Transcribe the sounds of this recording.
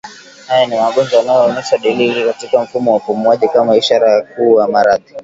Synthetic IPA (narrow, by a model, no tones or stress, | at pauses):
hajanimaɠɔnzɔwalajɔɔnɛʃaɗilikatikam̩fumɔwapumuaʄikamaiʃaɾajak̚uːwamaɾaði